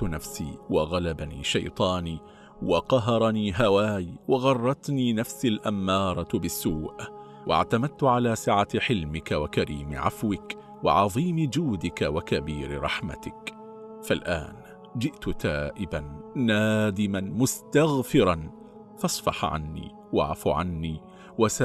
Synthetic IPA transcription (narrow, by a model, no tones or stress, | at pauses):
t̪ʊnafsḭːwɑɣalabanḭːʃɑ̰jt̪ˤɑːniː | wɑqɑɦɑɾˤɑniːɦawaːjwɑɣɑrˤːɑt̪niːnafsalʔamːɑːɾˤɑbɪsːuːʔ | wʔa̰ʕt̪amad̪̚t̪ʊʕalaːsaʕaħɪlmɪkawakaɾiːmɪ̰ʕa̰fwɪk | wɪ̰ʕɑðˤiːmd͡ʒuːd̪ɪkawakabiːɾɪ̰ɾˤɑħma̰t̪ɪk | falʔa̰ːn | d͡ʒɪʔt̪ʊt̪aːʔɪbanːaːd̪ɪmanmʊst̪aɣfɪɾˤɑn | fɑsˤfɑ̰ħʕa̰nːḭː | waʕa̰fuʕa̰nːiː | wasa